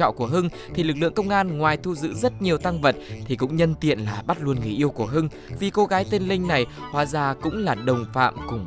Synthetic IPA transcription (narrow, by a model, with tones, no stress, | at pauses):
ɔ̰˧˨nku˧˩əɦɨ˧ŋ | t̪ʰi˨˩lɨ˨˩k̚lɨ̰˧˨əŋkə˧wŋ͡mʔaː˧nŋwaː˨˩jt̪ʰu˧zɨ̰˧˥zə˦˥t̚ɲi˨˩əwt̪a˧ŋvə˨˩t̚t̪ʰi˨˩kʊ̰˧˥ŋ͡mɲə˧nt̪ḭ˧˨ənlaː˨˩ɓa˦˥t̚lu˧ənŋɨ˨˩ʔi˧əwku˧˩əɦɨ˧ŋ | vi˨˩ko˧˦ɣaː˨˦jt̪e˧nlï˧ŋ̟na˨˩jhwaː˨˩zaː˨˩kʊ̰˧˥ŋ͡mlaː˨˩ɗə˨˩wŋ͡mfa̰ː˧˨mkʊ˨˩ŋ͡m